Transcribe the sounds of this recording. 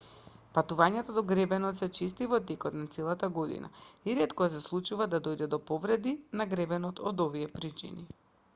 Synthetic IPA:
pat̪uvaɲat̪ad̪ɔɡɾɛbɛnɔt̪sɛt͡ʃist̪ivɔt̪ɛkɔt̪nat̪sɛlˠat̪aɡod̪ḭna̰iɾɛt̪kɔsɛslˠut͡ʃuvad̪ad̪ojd̪ɛd̪ɔpɔvɾɛd̪inaɡɾɛbɛnɔt̪ɔd̪oviɛpɾit͡ʃḭni

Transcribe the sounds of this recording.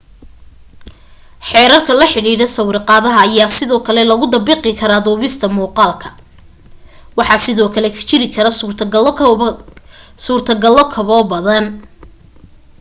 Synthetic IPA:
ħɛːɾɐrkʰɐlɐħɪɽiːɽɐsɐwɾɪqɑːðɐɦɐːjaːsɪðɔːkʰɐlɛlɐɣʊd̪ɐbɪːqɪkʰɐɾaːd̪ɔːβɪst̪ʰɐmuːqɑːlkʰɐ̥ | wɑħɑːsɪðɔːkʰɐlɛkʰɐ̥t͡ʃɪɾɪkʰɐɾɐ | suːrt̪ʰɐɡɐlːɔkʰɐβɔːbɐðɐn

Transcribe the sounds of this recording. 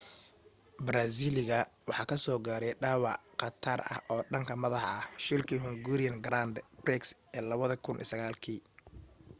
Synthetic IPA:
bɾaːsiːlɪɣɐwɑħɑːkʰɐsɔːɡaːɾɛjɖɑːwɑʕqɑt̪ʰaːrɐ̰hʔɔːɖɐŋkʰɐmɐðɑħɐhʃɪlkʰiːhʊŋɡuːɾɪjɐnɡɾand̪brɛksʔɛːlɐβɐðɐkʰʊnʔḭsɐɣaːlkʰiː

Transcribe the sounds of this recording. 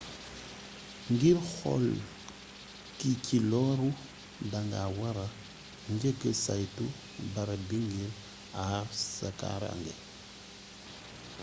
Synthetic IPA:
ŋɡiɾxɔ̰l | kikilɔɾu | daŋɡawaɾa | ŋɡeɡəsajtu | baɾabiŋɡiɾ | aɾsaka̰ɾa̰ŋɡe

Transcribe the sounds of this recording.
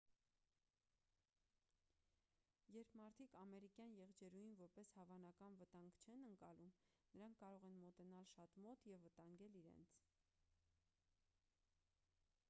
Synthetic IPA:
jɛɾpʰmɑɾt̪ʰikɑmɛɾikjɑnjɛʁd͡ʒɛɾujinvɔɾpɛshɑvɑnɑkɑnvət̪ɑŋɡt͡ʃʰɛnəŋkɑlum | nəɾɑŋkʰːɑɾɔʁɛnmɔt̪ɛnɑlʃɑt̪mɔt̪jɛvːət̪ɑŋɡɛliɾɛ̰nt͡sʰ

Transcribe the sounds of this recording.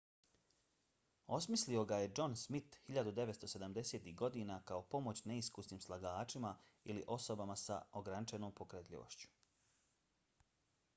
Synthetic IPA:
o̞smislio̞ɡaje̞d͡ʒo̞nsmit̪hiʎad̪ud̪e̞ʋet̪st̪o̞se̞d̪amd̪e̞seːt̪iɦɡo̞d̪iːnakao̞po̞mo̞t͡ɕne̞iskusniːmslˠaɡaːt͡ʃima | iliʔo̞so̞bamasa̰oɡɾanit͡ʃeno̞ːmpo̞kɾet̪ʎʲḭʋo̰ʃt͡ɕu̥

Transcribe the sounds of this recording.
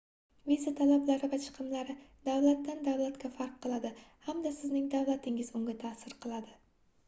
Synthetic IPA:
vizat̪ʰalablaɾɪvat͡ʃʰɨ̥qʰɨmlaɾɪd̪̥awlˠat̪ːand̪awlˠat̪kʲafaɾqʰːɨlˠad̪ɪhamd̪asɪznɪŋd̪avlˠat̪ʰɪŋɪzʊŋɡʲat̪ʰaːsɪɾqʰɨlˠad̪ɪ

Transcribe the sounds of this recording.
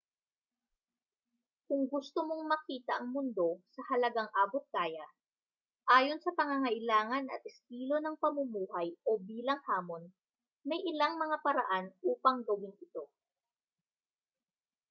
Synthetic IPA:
kʊŋɡʊst̪omo̞ŋmɐkiːt̪ɐʔɐŋmʊnd̪o̞sɐhɐlɐɡaŋʔaːbot̪̚ɡaːjɐ | ʔaːjo̞nsɐpɐŋɐŋɐʔɪlaːŋɐnɐ̰t̪̚ʔɪst̪iːlo̞nɐŋpɐmʊmuːhɐjʔo̞biːlɐŋhaːmo̞n | mɐjʔɪlaŋmɐŋapɐɾɐ̰ʔanʔuːpɐŋɡowɪŋɪt̪o̞

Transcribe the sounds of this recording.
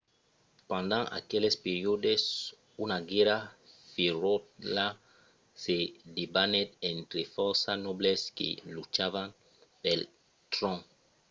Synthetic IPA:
pãnd̪ãŋa̰kelespeɾjod̪es | unaɡɛɾafeɾot̪la | sed̪ebanet̪ẽnt̪ɾefɔɾsanɔbleskḛlut͡ʃavaŋ | pel | t̪ɾɔ̃ŋ

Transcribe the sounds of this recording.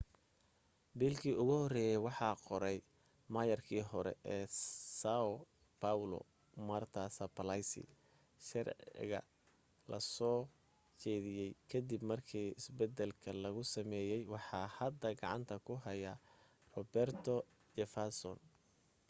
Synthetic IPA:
biːlkʰiːʊɣʊhɔɾɛːjɛwɑħɑːqɔɾɛj | mɐjɐrkʰiːɦɔɾɛ̰ʔɛːsaɔ | pʰawlɔ̰ | mɐrt̪ʰɐsɐpʰɐlajsɪ̰ | ʃɑrʕ̰ɪ̰ɣɐ̰ | lɐ̰sɔː | t͡ʃɛːðɪjɛjkʰɐd̪ibmɐrkʰiːɪsbɛd̪ɛlkʰɐlɐɣʊsɐmɛːjɛjwɑħɑːhɐd̪ːɐɡɑʕɑ̰nt̪ʰɐkʰʊɦɐjɐ | rɔbɛrt̪ʰɔ | d͡ʒɛfasɔ̰n

